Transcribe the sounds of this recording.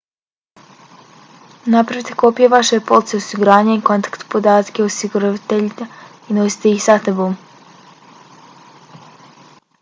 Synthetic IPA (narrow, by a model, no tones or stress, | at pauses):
napɾaʋit̪e̞̥ko̞pijeʋaʃepo̞lˠt̪seosiɡuɾaːɲaiko̞nt̪ḁkt̪u̥pod̪aːt̪keosiɡuɾat̪eʎia | ino̞si̥t̪eixsat̪eboːm